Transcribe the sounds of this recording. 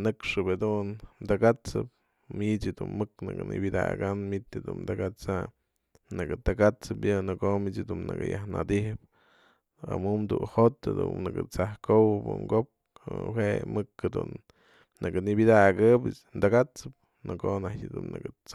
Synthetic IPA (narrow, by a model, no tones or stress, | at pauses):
nɨkʂɨphad̪unmd̪aɡat͡sɨp̚ | mit͡ʃɨd̪unmɨknɨɡɨnɨ̰bʲid̪a̰ɡanmit̪ʲd̪und̪aɡat͡sa | nɨkɨt̪aɡat͡sɨpjɨnɨkomit͡ʃd̪unːɨɡɨjahnad̪ihɨp | a̰mumd̪unhot̪a̰d̪ṵnnɨɡɨt͡sahkowɨbṵŋɡop̚ | wemɨkhad̪ṵnː | ɨɡɨnɨbʲid̪aɡɨbɨ | nd̪aɡat͡sɨp̚ | nɨkonatʲd̪unːɨɡɨt͡s